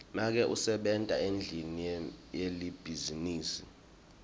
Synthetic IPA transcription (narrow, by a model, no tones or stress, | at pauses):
mak̬ɛʔusɛɓɛntʼaend͡ɮʱinijelib̥ʱiziniːsi